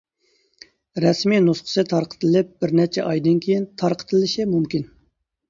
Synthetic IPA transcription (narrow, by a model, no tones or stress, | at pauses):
ɾɛsminusqʰə̥sɨt̪ʰɑɾqʰə̥t̪ʰlɪp̚b̥ɪɾnɛt͡ʃʰɛʔɑjd̪ɨnkʲʰejint̪ʰɑɾqʰə̥t̪ʰɨlɪʃɪmumkʲin